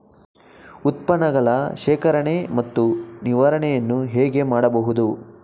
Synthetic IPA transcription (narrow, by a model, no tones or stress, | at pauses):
ut̪̚pɐnɐɡɐɭɐʃɛːkɐɾɐɳemɐt̪ːuniʋaɾɐɳɛjɐnːuɦɛːɡe̞maːɽɐbɐɦud̪u